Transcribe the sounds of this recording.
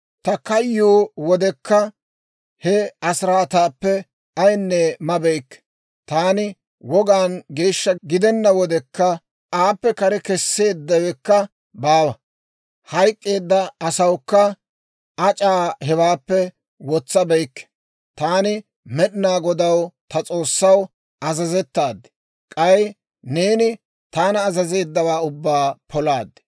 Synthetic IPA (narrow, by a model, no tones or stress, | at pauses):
t̪ɐkɐjːoːwɔd̪ɛkːɐ | hɛɐsɾaːt̪aːpːɛ | ɐjnːɛmɐbɛjkːɛ̥ | t̪aːnɪ | wɔɡaːnɡe̞ːʃːɐɡɪd̪ɛnːɐwɔd̪ɛkːɐ | aːpːɛkɐɾɛkɛsːe̞ːd̪ːɐwɛkːɐ | baːwɐ | hɐjkʼːe̞ːd̪ːɐːsɐwkːɐ | ɐt͡ʃʼaːhɛwaːpːɛ | wɔt͡sːɐbɛjkːɛ̥ | t̪aːnɪ | mɛɗɪnaːɡɔd̪ɐwt̪ɐt͡sʼo̞ːsːɐw | ɐzɐzɛt̪ːaːd̪ːɛ̥ | kʼɐj | ne̞ːnɪ | t̪aːnɐːzɐze̞ːd̪ːɐwaːʊbːaːpʰɔlaːd̪ːɛ̥